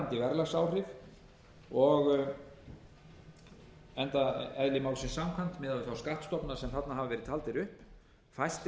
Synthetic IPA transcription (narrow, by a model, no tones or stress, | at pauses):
nt̪ɪvɛɾlasaːwrɪf | ɔɣ | ɛnt̪aɛðlɪmaːwlsɪnsamkʰvan̥t̪mɛːðaɪθawskaht̪st̪ɔpnḁsɛmθat̪naɦavavɛɾɪðt̪ʰaːlt̪ɪɾʏhp | fajst̪